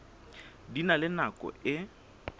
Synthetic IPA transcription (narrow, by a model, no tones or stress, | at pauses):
dinalɪnakʼɔ̰ɪ